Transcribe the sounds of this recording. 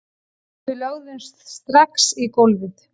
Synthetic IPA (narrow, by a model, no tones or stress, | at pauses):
θɪloːɣðʏnst̪st̪ɾaksikowlvɪθ